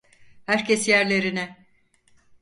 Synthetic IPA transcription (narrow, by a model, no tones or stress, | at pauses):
hæɾcʰesjæɾlʲe̞ɾinɛ